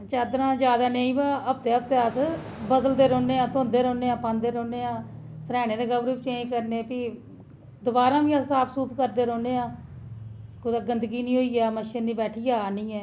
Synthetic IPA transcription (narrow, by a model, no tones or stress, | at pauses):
t͡ʃaːd̪ɾãːd͡ʒjaːd̪aːneːĩːbaːəp̚t̪eːəp̚t̪eːəs | bəd̪əld̪eːɾõːneːãːt̪ʰoːnd̪eːɾoːneːãːpãnd̪eːɾoːneːãː | səɾɛːɽeːd̪eːɡəʋɾuːpt͡ʃẽːkəɾneːpiː | d̪ʊbaːɾãːʋĩːasaːpsuːpkəɾd̪eːɾoːneːãː | kʊd̪aːɡənd̪ɡiːnĩːɦoːiːjaːməʃənːiːbɛːʈʰiːjaːnĩːɛː